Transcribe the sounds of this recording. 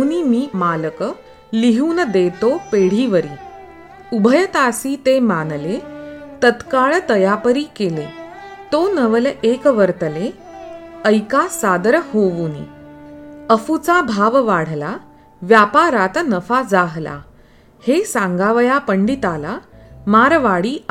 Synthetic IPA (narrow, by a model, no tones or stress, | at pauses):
niːmiːmalək | liɦuːnəd̪et̪opeɽ̤iʋəɾiː | ubʱəjət̪asiːt̪emanlet̪ət̪kaɭt̪əjapəɾiːkelet̪onəʋəlekʋəɾt̪əle | əjkasad̪ɾhoʋunḭ | əfut͡sabʱaʋʋaɽ̤la | ʋjapaɾat̪nəfad͡zaɦla̰ | hesãŋɡaʋəjapəɳɖit̪ala | maɾʋaɽiː